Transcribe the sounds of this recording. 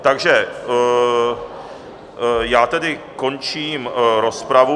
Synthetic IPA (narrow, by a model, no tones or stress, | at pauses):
t̪aɡʒɛ | jaːt̪ɛdɪko̞nt͡ʃiːmɾo̞spɾavu